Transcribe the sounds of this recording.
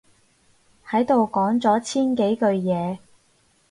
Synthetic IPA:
hɐ˨˥jt̪o˨wkɔː˨˥ŋt͡sɔː˨˥t͡sʰiː˥nke˨˥jkɵ˧ɥjɛː˨˧

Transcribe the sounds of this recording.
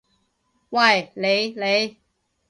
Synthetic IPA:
wa˥˨jle˨˧jle˨˧j

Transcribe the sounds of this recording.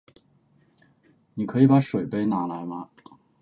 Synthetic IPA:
ni˨˩kʰɤ˧˥i˨˩pa˧˥ʂwe˨˩ɪpe˥ɪna˧˥la˧˥ɪmɐ˧

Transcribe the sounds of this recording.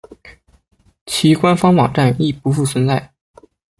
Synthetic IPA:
t͡ɕʰi˧˥kwa˥nfɑ˥ŋwɑ̰˨˩ŋʈ͡ʂa˥˩ni˥˩pu˧˥fu˥˩t͡sʰwə˧˥nt͡sa˥˩ɪ

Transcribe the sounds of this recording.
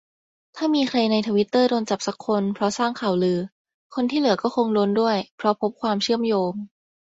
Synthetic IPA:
t̪ʰaː˥˩miː˧kʰɾa˧jna˧jt̪ʰa˧wi˦˥t̪ːɤː˥˩ɾoː˧nt͡ɕa˨˩p̚sa˦˥kʰːo˧npʰɾɔ˦˥saː˥˩ŋkʰa˨˩wlɯː˧ | kʰo˧nt̪ʰiː˥˩lɯ˨˩˦ɐkɔː˥˩kʰo˧ŋlo˧˥ndu˥˩əjpʰɾɔ˦˥pʰo˦˥p̚kʰwaː˧mt͡ɕʰɯ˥˩əmjoː˧ŋ

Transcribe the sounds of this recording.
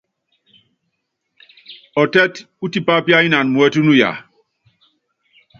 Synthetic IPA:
ɔ˨tɛ˦t | u˦ti˦pa˦pja˦i˦na˨n˨mu˨ɛ˦tu˦nu˦ja̰˨

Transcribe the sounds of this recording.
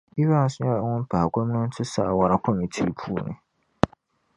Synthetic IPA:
i˦bã˦˨˦sʊ̃˦a˦˨˦wʊ̃˦m̩˦pʰa˨a˨kʷʰɔ˦m̃˦ʊ̃˦n̩˦tʰʊ˦saː˨wa˨ɾa˨kʰɔ˦mĩ˨tʰi˦pʰu˦˨nɪ̰̃˨

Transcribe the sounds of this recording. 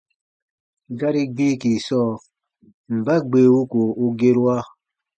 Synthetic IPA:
ɡa˦ɾi˦ɡ͡bi˦ki˨sɔ˦ | m̩˨ba˦ɡ͡be˨wu˦ko˨u˦ɡe˦ɾa˦

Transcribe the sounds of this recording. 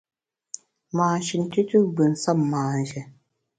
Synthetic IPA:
maː˨n˨ʃi˨n˨ti˦tu˦ɡ͡bɨ˨n˨sa˦mːaː˨n˨ʃɛ˦

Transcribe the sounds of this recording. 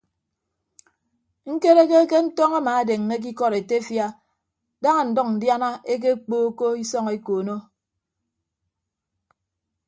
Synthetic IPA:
ŋ̩˦ke˦ɾe˦ke˦ke˦n̩˦tɔ˦ŋa˦maː˨a˨de˨ŋːe˦k̬i˦kɔ˦ɾe˨te˦fja˦ | da˦ŋa˨n̩˨dɔ˦˨n̩˨dja˦na˦ʔe˦k̬e˦k͡poː˦ko˦i˦sɔ˦ŋe˦koː˨no˦

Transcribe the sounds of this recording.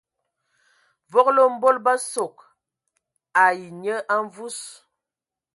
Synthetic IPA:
vɔ˦klo˦m̩˦bo˦lba˦so˨k̚ | a˨ji˨ɲə˦ʔa˦ɱ˦vu˦s

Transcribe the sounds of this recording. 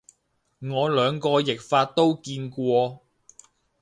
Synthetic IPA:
ŋɔː˨˧lœː˨˧ŋkɔː˧jɪ˨k̚faː˧t̚t̪ːo˥wkiː˧nkʷɔː˧

